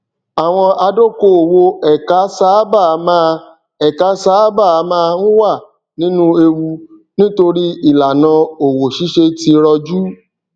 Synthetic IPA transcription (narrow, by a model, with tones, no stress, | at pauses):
a˨w̃ɔ̃˧a˧do˦ko˦˨wo˧ɛ˨ka˨˦sa˦ba˦˨˦mãː˦˧ | ɛ˨ka˨˦saː˨˦ba˦˨˦mãː˦˧nũ˦wa˦˨ | nĩ˨˦nũ˦e˧wu˧ | nĩ˦to˧ɾi˦i˦˨la˨nã˧o˨wo˨ʃi˨˦ʃe˧ti˧ɾɔ˧d͡ʒu˦